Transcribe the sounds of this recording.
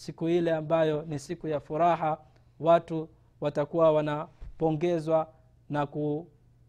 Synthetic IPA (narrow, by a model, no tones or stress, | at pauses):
sikuilɛambajɔnisikujafuɾaɦa | watu | watakuwawanapɔŋɡɛzwa | naku